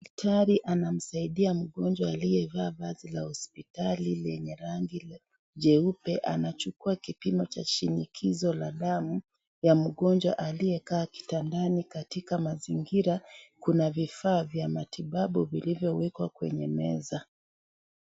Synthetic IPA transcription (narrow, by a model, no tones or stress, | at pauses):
tʰaɾiʔanam̩saiɗiam̩ɠɔnd͡ʒwaːlijɛvaːvazilahɔspitalilɛɲɛɾaŋɡi | ʄɛupɛʔanat͡ʃukuakipimɔt͡ʃa̰ʃinikʰizɔlaɗamu | jam̩ɠɔnd͡ʒwa̰ʔalijɛkaːki̥tandanikatikamaziŋɡiɾakunavifaːvjamatʰiɓaɓuvilivjɔwɛkwakwɛ̰ɲɛmɛ̰za